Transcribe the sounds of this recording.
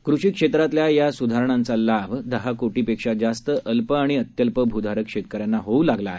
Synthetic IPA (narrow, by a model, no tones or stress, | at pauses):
kɾuʂiːkʂet̪ɾat̪ljajasud̪ʱaɾɳ̃ant͡salabd̪əɦakoʈiːpekʂad͡zast̪əʔəlpəaɽ̃iət̪jəlpəbʱud̪ʱaɾəkʂet̪̚kəɾjanːaɦoulaɡlaːɦe